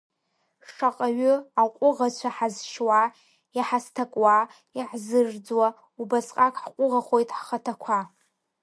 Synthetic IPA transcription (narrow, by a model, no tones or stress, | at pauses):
ʂaqʼaɥʊaqʷʼʊʁat͡ɕʷʰaħazʃwa | iħastʰakʼwa | iħzɨrd͡zwa | ubasʼqʼakʼħqʷʼʊʁaχo̞jtʼħχatʰakʷʰa